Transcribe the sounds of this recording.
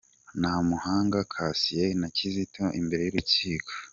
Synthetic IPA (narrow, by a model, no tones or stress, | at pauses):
namuhaːŋɡakʰasijenacizitʰoʔimbe̞ɾe̞juɾuciːkʰo̥